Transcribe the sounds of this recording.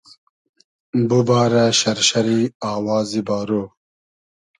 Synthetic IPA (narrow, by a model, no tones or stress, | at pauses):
bubaːɾaɕɐɾɕɐɾiaːwɑːzibaːɾoː